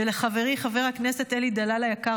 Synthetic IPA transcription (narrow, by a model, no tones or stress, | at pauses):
eleχaveʁiχave̞ʁhaknese̞t̪elid̪alalajaka